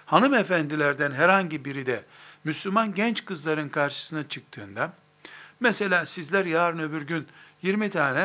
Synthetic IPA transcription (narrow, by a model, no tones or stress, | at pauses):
hanɯme̞fænd̪ilʲæɾd̪ænɦɛɾhaɲɟibiɾid̪ɛmyslʲumanɟɛnt͡ʃkɯzlˠaɾɯnkʰaɾʃɯ̥sɯnat͡ʃʰɯk̚t̪ʰɯːnd̪a | mɛse̞lʲaːsizlʲæɾjaːɾɯnø̞byɾɟynjiɾmit̪ʰaːnɛ